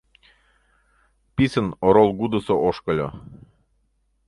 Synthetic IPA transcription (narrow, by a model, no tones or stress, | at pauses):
pʲisə̆noɾolˠɡud̪əsoʔoʃkəlʲo̰